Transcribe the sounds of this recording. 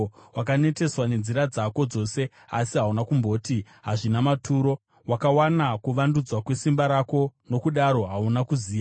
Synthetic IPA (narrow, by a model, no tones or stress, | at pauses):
wakane̞te̞swane̞nziɾad͡zako̞d͡zo̞se̞ | a̰siɦaunakumbʱo̞ːti | ɦaʐinamatuɾo̞ | wakawanakuʋandud͡zwakwe̞simbaɾako̞no̞kuɗaɾo̞ɦaunakuziːa